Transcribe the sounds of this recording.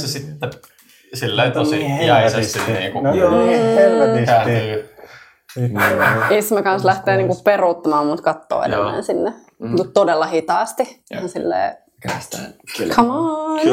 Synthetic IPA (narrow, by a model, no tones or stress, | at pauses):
sesit̪ːe | silːeit̪osijɑisessit̪nḭːŋku | ekæːni | ismekɑnslæht̪eːniːŋkupperuːt̪ːɑmɑːmmut̪kɑt̪ːo̰ːḛnḛmːæ̰ːnsinːe | mut̪t̪odelːɑhit̪ɑːst̪ihɑnsilːḛː | kʰɑmɑn